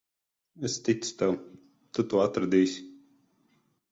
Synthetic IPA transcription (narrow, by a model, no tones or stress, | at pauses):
ɛst̪it̪st̪ɛw | t̪ut̪uɔat̪ɾad̪iːsʲi̥